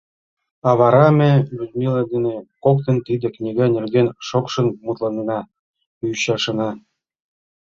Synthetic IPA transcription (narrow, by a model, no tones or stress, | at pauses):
ɑβɑɾɑmʲĕvʲud̪milˠɑd̪enekok̚t̪ə̆nt̪id̪ĕknʲiɡɑnʲerɡenʃokʃɤ̆nmut̪lˠɑnɤnɑ | uɕɑʃɤ̆nɑ